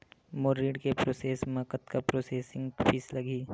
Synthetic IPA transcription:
moːɾiɖkepɾoːseːsmakət̪kapɾoːseːsɪ̃ŋɡpʰiːslɐɡiː

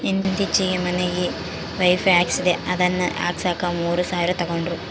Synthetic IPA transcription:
end̪nd̪it͡ʃːiɡemɐnːeiː | ʋɐjfaːksideʔɐðɐnːɨʔa̰ːksaːkːamuːrɨsaːʋiɾɐt̪ɐɣoɳɖru

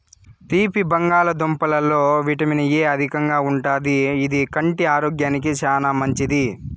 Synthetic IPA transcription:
t̪iːpibɐŋɡaːlɐd̪ompɐlɐlo̞ːʋiʈɐminɐjeːɐd̪ʱikɐŋɡaːuɳʈaːd̪iːd̪ikɐɳʈiaːɾoːɡjaːnik̬it͡ʃaːnaːmɐɲt͡ʃid̪i

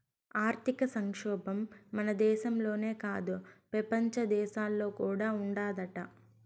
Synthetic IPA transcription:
aːɾt̪ikɐsɐŋkʂɔːbɐmːɐnɐd̪ɛːʃɐmlo̞ːne̞ːkaːd̪upɾɐpɐɲt͡ʃɐd̪ɛːʃaːlːo̞ːkuːɽaːuɳɖaːd̪ɐʈɐ̰

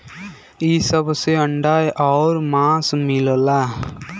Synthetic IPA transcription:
iːsəbseəɳɖaːeʔɔːɾmãːsmɪllaː

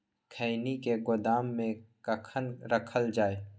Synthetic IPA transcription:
kʰəɪnikeɡʊd̪aːmːẽkəkʰənɾəkʰəld͡ʒaːeː

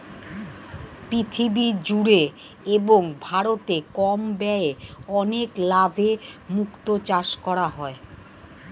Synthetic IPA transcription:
pɾit̪ʰibid͡ʑuɾe | eboŋbʱaɾot̪ekɔmbɛeɔneklabʱemukt̪ot͡ɕaʃkɔɾaɦɔe

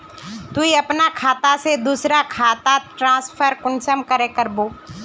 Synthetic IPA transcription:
t̪uiɐpnakʰaːt̪ased̪uːsɾakʰaːt̪aʈɾãːspʰəɾkʊnt͡ʃəmkəɾekəɾboː

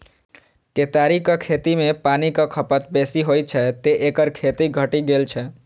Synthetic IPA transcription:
ket̪aɾikəkʰet̪imepanikəkʰəpət̪besiɦoj̪t͡ʃʰɛt̪eʔekəɾkʰet̪iɡʱəʈiɡelt͡ʃʰɛ

